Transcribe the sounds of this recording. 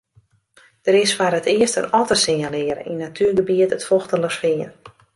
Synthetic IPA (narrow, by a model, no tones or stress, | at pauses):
d̥əɾɪsfaɾətɪəstə̰nɔtəsɪɲalɪəɾə̰inːatʰyəɡəbiətətfɔxtələsfɪən